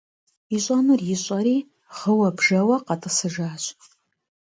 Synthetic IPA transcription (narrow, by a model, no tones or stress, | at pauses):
iɕʷʼanɨrjɪɕʼɐɾiː | ʁəwɐbʒɐwɐqɑtʼɨsɨʒaːɕʷʼ